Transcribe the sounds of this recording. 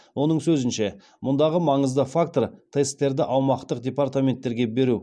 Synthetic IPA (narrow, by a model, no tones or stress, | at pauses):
wʔo̞n̪əɴsɵzɪnʃe | mʊnd̪ɑʁəmɑɴəzd̪əfakt̪oɾt̪ʰe̞st̪ːe̞ɾd̪ɪʔɑwmɑqt̪əq̚d̪ʲepart̪amʲe̞nt̪ːe̞ɾɡʲe̞be̞ɾu